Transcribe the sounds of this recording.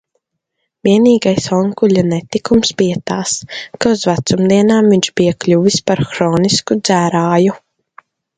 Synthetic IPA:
vʲiɛniːɡajsɔŋkulʲanɛt̪ikumsbijat̪aːskauzvat̪sumd̪iɛnaːmviɲʃbijaklʲuvispaɾxɾɔːniskud̪z̥æːɾaːju

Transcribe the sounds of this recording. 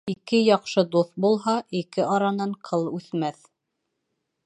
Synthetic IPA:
ikɘjɑqʃɤd̪uθbulˠɦɑʔikɘʔɑɾɑnɑɴqʰɤlˠʉθmæθ

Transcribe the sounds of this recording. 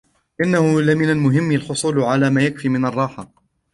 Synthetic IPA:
ʔɪnːahʊlamɪnalmʊɦɪmːɪlħʊsˤuːlʕalaːmaːjakfiːmɪnɑrˤːɑːħa

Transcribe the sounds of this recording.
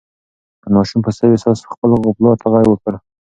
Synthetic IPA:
dəmɑʃumpəsawesɑsχpəlʁʊplɑt̪ʰəʁɑjwəkəɾ

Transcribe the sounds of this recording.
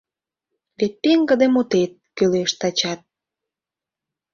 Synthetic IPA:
βet̪̚peŋɡə̆d̪emot̪et̪̚køleʃt̪ɑt͡ɕɑt̪̚

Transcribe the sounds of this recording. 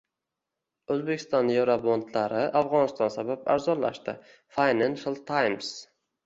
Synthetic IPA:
ɵzbekʲʰɪ̥st̪ɒnjewɾabond̪laɾɪʔafʁɒnɪst̪ɒnsabapa̰ɾzɒnla̰ʃt̪ɪ̰ | fajnanʃalˠt̪ʰajms

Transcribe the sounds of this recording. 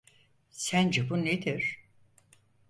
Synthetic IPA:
sænd͡ʒebuned̪iɾ̥

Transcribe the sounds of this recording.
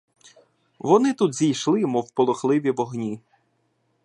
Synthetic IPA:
ʋɔnɪt̪ud̪zʲijʃlˠɪjmɔwpɔlˠɔxlˠɪʋʲiʋɔɦnʲi

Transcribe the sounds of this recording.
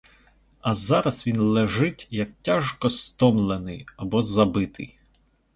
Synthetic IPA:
ɐzɑɾɐsʋʲinlˠɛʒɪtʲjɐk̚tʲaʒkɔst̪ɔmlˠenɪjɐbɔzɐbɪt̪ɪ̰j

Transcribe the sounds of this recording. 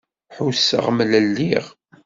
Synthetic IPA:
ħusːə̰ʁmələlːiʁ

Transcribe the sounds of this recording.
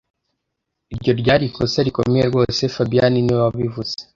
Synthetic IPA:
iɾɟo̞ɾɟaːɾikʰosaɾiko̞̰mejeɾɡo̞ːse̞fabijaniniβaβivuz̥e

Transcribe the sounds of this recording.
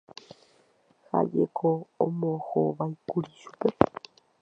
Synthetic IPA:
ha̰d͡ʒekʰoõmõhoʋajkuɾiʃu̥pe

